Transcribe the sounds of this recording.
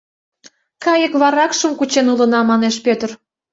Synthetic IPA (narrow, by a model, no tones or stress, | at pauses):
kɑjə̆kβɑɾɑkʃə̆mkut͡ɕenulə̆nɑmɑneʃpʲøt̪ər